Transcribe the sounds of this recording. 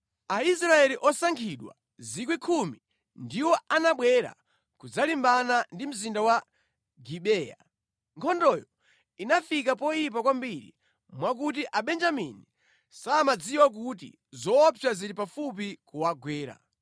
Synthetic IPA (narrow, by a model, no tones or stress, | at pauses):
ais̬ɾaɛliʔɔsaŋkʰiɗwa̰ | zikwikʰumi | ndiwɔanaɓwɛɾa̰ | kud͡zalimbanandim̩zindawa | ɡiɓɛːja̰ | ŋkʰɔndɔjɔ | inafik̬apɔip̬akwambiɾḭ | mwakut̬iʔaɓɛnd͡ʒamḭni | saːmad͡ziwak̬utḭ | zɔːpʰjaziɾipafup̬ikuwaɡwɛːɾa̰